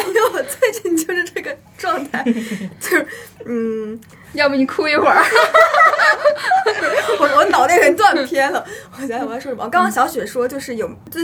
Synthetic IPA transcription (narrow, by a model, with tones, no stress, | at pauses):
jo˥˩wɔ˨˩t͡swe˥˧ɪt͡ɕi˥˩˧nt͡ɕjo˥˧ʊʂɻ̩˥˧ʈ͡ʂɤ˥˩ɡə˩ | ʈ͡ʂwɑ˥˧ŋt̪ʰa˥˩ɪt͡ɕo˥˩n̩˥˩ | jɑ˥˧ʊmə˨˩ni˨˩kʰu˥i˥˩xwə˨˩˥ | t̪we˥˩ɪwɔ˧˩˥wnɑ˨˩ʊne˥˩ɪkə˨˩t̪wa˥˩npʰjɛ˥nlə˨wɔ˨˩˧ʂwə˨˩˧kɑ˥ŋkʰɕjɑ˧˥ʊɕɥɛ˨˩ʂwɔ˥t͡ɕjo˥˧ʊʂɻ̩˥˩jo˨˩ʊ˥˩